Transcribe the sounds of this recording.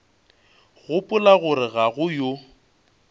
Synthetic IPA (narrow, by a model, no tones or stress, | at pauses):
ɣʊpʼʊlaɣʊɾɪɣaɣʊjo